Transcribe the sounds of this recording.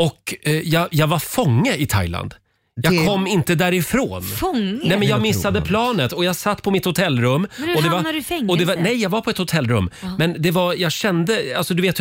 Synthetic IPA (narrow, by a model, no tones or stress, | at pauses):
ɔkjɑɡjɑːɡvaɾfɔŋːəɪt̪ʰa̰jla̰nd̪ | jɑːɡkʰɔmːɪnt̪əd̪æɾɪfɾo̰ːnfɔŋnɛmɛnjɑːɡmɪsːad̪əpʰlɑːnət̪ɔjɑːɡsat̪ːpʰɔmɪt̪hʊt̪ʰɛlːɾɵmːɔd̪ɛvaɔd̪ɛvanɛjjɑːɡvaɾpʰɔɛt̪hʊt̪ʰɛlːɾɵ̰mːmɛnd̪ɛvajɑːɡɕɛnd̪əa̰lsɔd̪ɵveːt̪